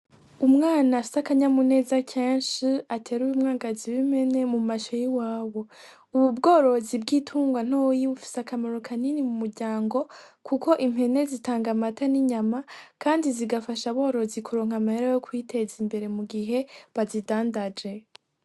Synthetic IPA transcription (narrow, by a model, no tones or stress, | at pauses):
umŋaːnaːfi̥sakaɲamune̞ːzacʰeːnʃiatʰe̞ːɾuwumŋaːɡaziβim̥e̞ne̞mumaʃojiwaːwo̞ | uβubɡo̞ːɾo̞zib̚ɡiːtʰuːŋɡwan̥ojiβufi̥sakamaɾokʰaninimumuɾɟaːŋɡo̞kʰuko̞ʔim̥he̞ne̞zitaːŋɡamataniɲamakaːndiziɡafaʃaβo̞ːɾo̞zikuɾo̞ːŋhamaheɾajokwiːtʰe̞zimbe̞ɾe̞muɡiɦe̞βazidaːndad͡ʒe̞